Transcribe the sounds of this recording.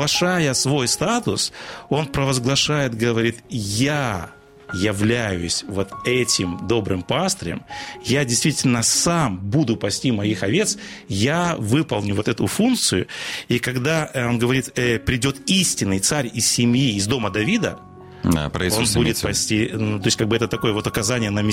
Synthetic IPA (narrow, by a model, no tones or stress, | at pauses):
ɐʂajəsvo̞jst̪at̪ʊso̞npɾəvəzɡlˠɐʂajɪt̪ɡəvɐɾʲit̪ja | jɪvlʲæjʊsʲvo̞t̪ɛtʲɪmd̪o̞bɾɨmpast̪əɾʲɪ̰mjadʲɪjst̪vʲitʲɪlʲnəsambud̪ʊpɐsʲtʲimɐixɐvʲe̞t̪sjavɨpəlˠnʲʊvo̞t̪ɛt̪ʊfunk̪̚sɨjʊikɐɡd̪ao̞nɡəvɐɾʲit̪pɾʲɪdʲo̞t̪isʲtʲɪnːɨjt̪saɾʲɪssʲɪmjiːzd̪o̞məd̪ɐvʲid̪ə̰ | a̰pɾo̞nbudʲɪt̪pɐsʲtʲinut̪o̞jsʲkaɡbɨɛt̪ət̪ɐko̞jəvo̞t̪ɐkɐzanʲɪjənəmʲɪ